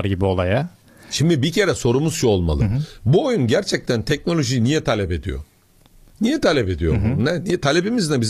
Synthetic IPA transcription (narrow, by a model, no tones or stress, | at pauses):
ɾɟibio̞lˠaja | ʃimd̪ibicʰe̞ɾɛso̞ɾumuz̥ʃʰuolˠma̰lˠɯ̰buojunɟæɾt͡ʃʰɛc̚t̪ʰænt̪ʰɛc̚no̞lʲo̞ʒijnijɛt̪ʰalʲɛpe̞d̪ḭjo̰ | nijɛt̪ʰalʲɛpe̞d̪ijo̰bunɛnit̪ʰalʲebimiznɛbiz